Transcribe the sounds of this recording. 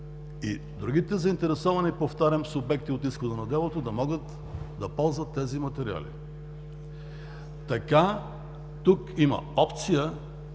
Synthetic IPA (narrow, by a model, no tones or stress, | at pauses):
i | d̪ɾuɡ̟it̪ɛzɐint̪ɛɾɛsɔvɐnipoft̪aɾʲɐmsʊbɛk̚t̪iot̪isxod̪onɐd̪ɛlˠot̪od̪ɐmɔɡət̪ | d̪ɐpɔlˠzvɐt̪ːɛzimɐt̪ɛɾia̰lḭ | t̪ɐka | t̪ukimɐ̰ɔpt̪sijə